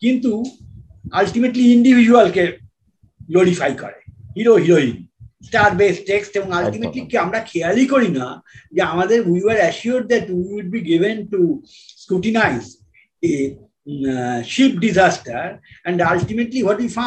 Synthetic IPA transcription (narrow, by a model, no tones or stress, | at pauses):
kĩnt̪u | alʈimeʈliiɳɖiʋʱid͡ʒuəlke | ɡloɾifajkɔ̰ɾehiɾoɦiɾoḭnsʈaɾbesʈːeksʈebɔ̃ŋalʈimeʈlikiamɾakʰɛəɾlikoɾinad͡ʒeamad̪eɾʋiʋeɾəʃuɾɖ̚d̪ɛʈwiwuɖ̚biɡiʋẽnʈu | skɾuʈinajz | e | ʃip̚ɖizasʈəɾɛ̃ɳɖalʈimeʈliʋɔʈjifã